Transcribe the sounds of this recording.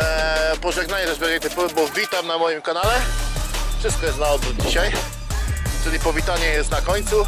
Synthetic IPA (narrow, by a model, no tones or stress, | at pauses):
pɔʐɛɡnaɲɛt̪ɛzbʲɔɡɛk̚t̪ɨpɔvbɔvʲit̪amnamɔjimkanalɛ | fʂɘst̪̚kɔjɛst̪naɔbɾud͡ʑiɕaj | tɘlʲipɔvʲit̪aɲɛjɛst̪nakɔɲt̪su